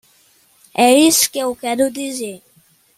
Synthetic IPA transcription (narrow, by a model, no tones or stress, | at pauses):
ɛɾiskeukɛd̪ud̪ize